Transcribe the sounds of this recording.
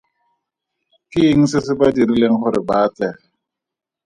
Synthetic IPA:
kiŋ̩sɪs̬ɪbadiɾileŋ̩χʊɾɪbaːt͡sɛ

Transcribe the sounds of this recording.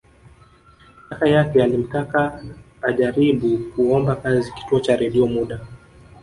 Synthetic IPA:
akajakɛalim̩takaː | ʄaɾiɓukuɔmbakaziki̥tuɔt͡ʃaɾɛɗiɔmuɗa

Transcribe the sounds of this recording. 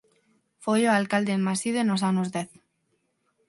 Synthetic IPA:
fojoalkald̪enmasiðoenosanozðeθ

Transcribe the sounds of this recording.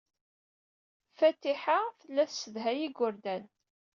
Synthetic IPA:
fæt̪ːiħaθəlːæθsəðɦæjiɡʊɾd̪æn

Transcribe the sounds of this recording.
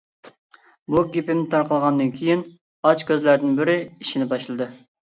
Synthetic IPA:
buɡʲepɪmnɪt̪ʰɑɾqəlˠʁɑnd̪ɨnkʲʰijin | ɑt͡ʃkʲøzlæɾd̪ɪnbɪɾɪiʃinɪbɑʃlˠɨd̪ɨ

